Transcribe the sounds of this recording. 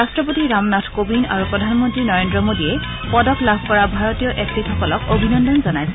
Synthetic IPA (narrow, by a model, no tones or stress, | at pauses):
astɹɔp̬otiɹamnatʰkobina̰ɹupɹɔdʱanmɔntɹinɔɹendɹɔmodiɛ | pɔdɔklabʱkɔɹabʱaɹɔtijɔʔektitʰɔkɔlɔkobʱinɔndɔnzɔnajsɛ